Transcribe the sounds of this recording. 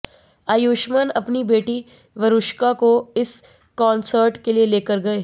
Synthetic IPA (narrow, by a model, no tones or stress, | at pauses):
aːjuːʃmənɐpnibeːʈi | ʋɐɾʊʃkakoɪs | kãːnsəɾʈkelieleːkəɾɡɐeː